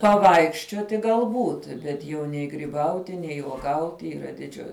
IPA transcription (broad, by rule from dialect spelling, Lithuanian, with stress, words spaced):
pɐˈʋɐɪkʃʲt͡ʃʲuɔtʲɪ ɡɐlˠˈbuːt ˈbʲɛt jɛʊ nʲɛɪ ɡrʲɪˈbɐʊtʲɪ nʲɛɪ uɔˈɡɐʊtʲɪ iːˈrɐ dʲɪˈd͡ʒʲʊ